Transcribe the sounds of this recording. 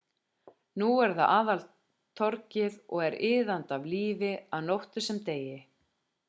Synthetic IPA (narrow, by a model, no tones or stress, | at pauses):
nuɛɾðaʔaːðal | t̪ʰːɔɾcɪðɔɣɛɾɪːðant̪avliːvɪaðnowht̪ʏsɛmt̪eːjɪ